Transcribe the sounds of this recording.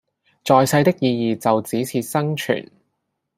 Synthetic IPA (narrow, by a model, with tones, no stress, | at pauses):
t͡sɔː˨jsɐ˧jt̪ɪ˥k̚jiː˧jiː˨t͡sɐ˨wt͡siː˨˥t͡sʰiː˧t̚sɐ˥ŋt͡ʃʰy̰ː˨˩n